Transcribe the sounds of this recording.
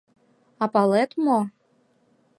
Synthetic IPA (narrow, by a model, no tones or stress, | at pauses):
ɑpɑlˠɛt̪mo